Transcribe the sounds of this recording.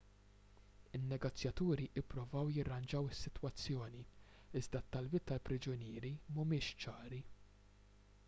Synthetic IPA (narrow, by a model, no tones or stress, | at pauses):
ɪnːɛɡɔt͡sːjɐt̪uːɾiʔɪpːɾʊvɐwjɪrːɐnd͡ʒɐwɪsːɪt̪wɐt͡sːjɔːni | ɪzd̪ɐt̪ːɐlbɪːt̪ːɐlpɾɪd͡ʒʊnɪːɾimʊmɪːʃt͡ʃɐːɾi